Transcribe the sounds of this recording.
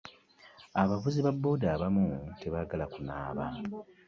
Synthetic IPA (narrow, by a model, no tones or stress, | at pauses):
aβavuziβabːo̞ːdaːβamute̞βaɡalakuna̰ːβa̰ːni